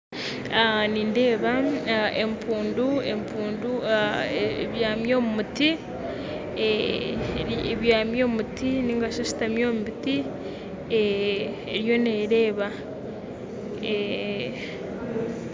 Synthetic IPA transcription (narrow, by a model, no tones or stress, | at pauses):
aniːnde̞ːβaempuːnduempuːnduaeβjaːmjo̞ːmumuti | e | eβjaːmjomutiniːŋɡaʃaʃi̥tamjoːmubiti | e | eɾjo̞neːɾe̞ːβa | e